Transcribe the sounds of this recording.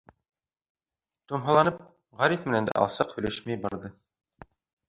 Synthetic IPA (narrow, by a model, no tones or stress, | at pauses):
t̪umɦɑlˠɑnɤp̚ | ʁæɾifmɘ̆nænd̪æ̰ʔɑ̰lˠsɤqhɵ̆læʃmæjbɑɾðɤ